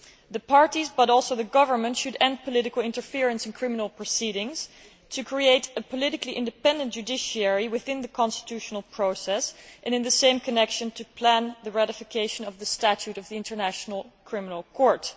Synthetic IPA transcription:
ðɨpʰɑɹɾizbʌɾɔlˠsoʊðɨɡʌvə˞mə̃ntʃɨɾɛ̃nd̚pʰəlɪɾɨkl̩ˠɪ̃ntə˞fɪɹɨ̃nsɨ̃nkʰɹ̥ɪ̃mənl̩ˠpʰɹ̥ɨsiɾɪ̃ŋz̥ | tʰɨkʰɹ̥ieɪɾɨpʰəlɪɾɨkliʔɪ̃ndɨpɛ̃ndɨ̃nd̥ʒ̥ʉdɪʃiɛɹiwɨθɪ̃nðɨkʰɑ̃nstɨ̥tʰʉʃn̩l̩ˠpʰɹ̥oʊsɛsʔɨ̃nɨ̃nðɨsẽɪ̃mkʰɨnɛkʃɨ̃ntʰɨpʰl̥æ̃nðɨɹæɾɨfɨkʰeɪʃɨ̃nʌvðɨstæt͡ʃʉɾʌvðiɪ̃ntʰə˞næʃnl̩ˠkʰɹ̥ɪ̃mənl̩ˠkʰɔɹt

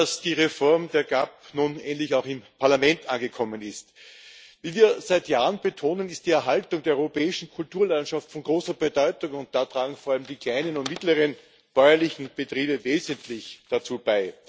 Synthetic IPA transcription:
asd̥iːʁefɔɐmdeːɐɡapnuːnɛ̰ːntlɪçaʊxɪmpʰaɐlamɛntʔanɡəkʰɔmənɪst | viːviːɐzæɪtjaːʁənb̥etʰoːnənɪst̚d̥iːɛɐɦaltʊŋdeːɐɔʏʁopʰɛːɪʃn̩kʰʊltuːɐlantʃaftfɔnɡʁoːsɐbədɔʏtʊŋʊnt̚d̥atʁ̥aːɡŋ̩foːɐaləmdiːkʰl̥aɪnənʊntmɪtləʁən | b̥ɔʏɐlɪçn̩b̥ətʁ̥iːbəveːzəntlɪçd̥at͡suːb̥aɪ

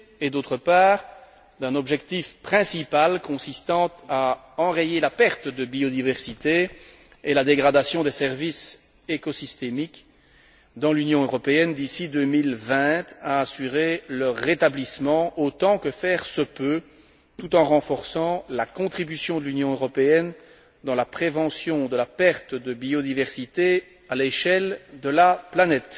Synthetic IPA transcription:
ed̪ot̪χəpaːʁ | d̪ɛ̃nɔbʒɛkt̪ifpχɛ̃sipalkɔ̃sist̪ɑ̃t̪a | ɑ̃ʁejelapɛʁt̪d̪əbiod̪ivɛʁsit̪e | elad̪eɡʁad̪asjɔ̃d̪esɛʁvis | ekɔsist̪emik | d̪ɑ̃lynjɔ̃øʁɔpeɛnd̪isid̪ømilvɛ̃t̪aːsyʁeləʁːet̪ablismɑ̃ot̪ɑ̃kəfɛʁsəpø | t̪ut̪ɑ̃ʁɑ̃fɔʁsɑ̃lakɔ̃t̪χibysjɔ̃d̪əlynjɔ̃øʁɔpeɛn | d̪ɑ̃lapχevɑ̃sjɔ̃d̪əlapɛʁt̪d̪əbiod̪ivɛʁsit̪e | aleʃɛld̪əlaplanɛt̪

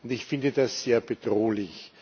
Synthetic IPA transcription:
ʊndɪçfɪndədasːeːɐbəd̥ʁoːlɪç

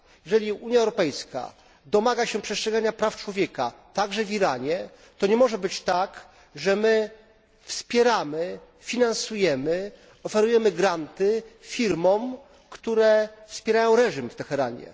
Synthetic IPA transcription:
jjɛʐɛlʲiuɲjaɛwɾɔpɛjska̰ | d̪ɔmaɡaɕɛpʂɛstʂɛɡaɲapɾaft͡ʂwɔvʲjɛka̰t̪aɡʐɛvʲiɾaɲɛ | t̪ɔɲɛmɔʐɛbɘt͡ɕt̪ak | ʐɛmɘ | fspʲjɛɾamɘ | fʲinãnsujɛmɘ | ɔfɛɾujɛmɘɡɾant̪ɘfʲiɾmɔm | kt̪uɾɛfspʲjɛɾajɔ̃w̃ɾɛʐimft̪ɛxɛɾa̰ɲɛ̰

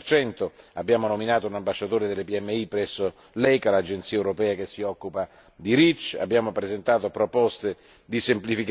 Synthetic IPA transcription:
rt͡ʃɛnt̪oabːjaːmonominaːt̪ounambaʃːat̪oːɾed̪elːepiɛmːeipːɾɛsːo | lɛjkalad͡ʒent̪siːeɛwuɾopɛːak̟esːiɔkːupa | d̪iɾit͡ʃːa̰bːjaːmopɾezent̪aːt̪opɾopɔst̪e | d̪isemplifik

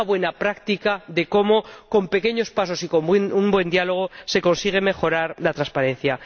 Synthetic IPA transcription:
βwe̞napɾakt̪ikaðe̞ko̞mo̞ko̞mpeke̞ɲo̞spaso̞siko̞mbenumbwe̞nd̪jalo̞ɣ̞ose̞ko̞nsiɣ̞e̞me̞xo̞ɾaɾlat̪ɾaspaɾe̞n̟θja

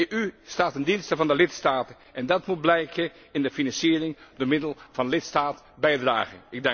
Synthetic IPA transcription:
ʔystaːtəndinstəvɑndəlɪtstaːtə | ʔɛndɑtmut̚blɛjkʰə | ɪndəfinɑnsiːrɪŋdəmɪdəlˠv̥ɑnlɪtstaːt | bɛjdra̰ːχənɪɡ̚dɛ

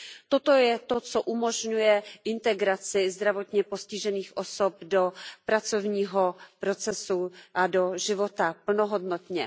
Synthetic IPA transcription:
t̪o̞t̪ojɛt̪o̞t͡so̞ʔumo̞ʒɲujɛʔɪnt̪ɛɡɾat͡sɪzd̪ɾavo̞t̪ɲɛpo̞scɪʒɛniːxʔo̞sop̚do̞pɾat͡so̞vɲiːɦopɾo̞t͡sɛsuʔado̞ʒɪvo̞t̪apl̩noɦo̞dnot̪ɲɛ

